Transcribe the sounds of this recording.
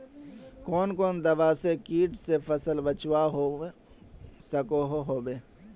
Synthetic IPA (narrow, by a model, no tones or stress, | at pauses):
koːnkoːnd̪ɐʋaːsekiːʈsefʰəsəlbət͡ʃwaɦo | səkoɦoɦoːbeː